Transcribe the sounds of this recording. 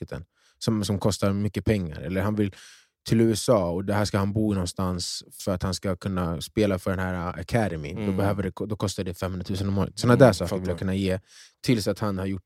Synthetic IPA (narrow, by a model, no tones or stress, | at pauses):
ət̪ʰə̰n | sɔmsɔmkʰɔst̪aɾmʏkːəpʰɛŋːa̰ɾɛ̰lːəɾhanvɪl | t̪ʰɪlʉ̟ːɛsɑːɔd̪ɛɦæːʂkahanbuːɪnɔnst̪ansfœɾat̪hanskakʰɵnːaspeːlafœɖɛnɦæːɾaa̰kʰæd̪ɛmɪ̰d̪ɔbɛhøːvəɖɛkd̪ɔkʰɔst̪aɖɛfɛmhɵnɾat̪ʰʉ̟ːsənɔmoːɾə̰t̪sɔnad̪æːʂɑːkəɾvɪljakɵnːajeːt̪ʰɪlsat̪hanhaɾjʊʈː